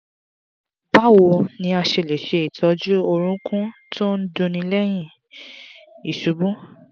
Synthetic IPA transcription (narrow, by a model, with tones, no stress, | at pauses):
ba˦˨wo˧nĩ˧a˧ʃe˧˨le˨ʃe˨˧i˨tʰɔ˨˦d͡ʒu˦o˧ɾ̃ũ˦kũ˦tʰo˦n̩˦dũ˧nĩ˧lɛ˦j̃ĩ˦˨ | i˨ʃu˨˦bũ˦